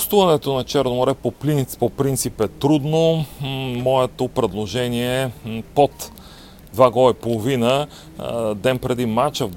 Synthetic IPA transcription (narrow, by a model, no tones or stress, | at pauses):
st̪uvɐnɛt̪onɐt͡ʃɛɾnomoɾɛpopɾinpopɾint̪sipɛt̪ɾud̪no | mɔɛt̪opɾɛd̪lˠoʒɛniɛpot̪ | d̪vaɡɔipolˠovinə | d̪ɛnpɾɛd̪imat͡ʃəv